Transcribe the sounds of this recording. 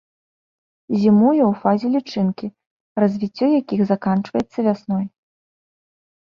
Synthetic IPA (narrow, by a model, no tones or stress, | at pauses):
zʲimujɐwfazʲɛlʲit͡ʂɨnkʲi | rɐzʲvʲit͡sʲːɔjakʲixzakant͡ʂvɐjɛt̪sːɐvʲasnɔj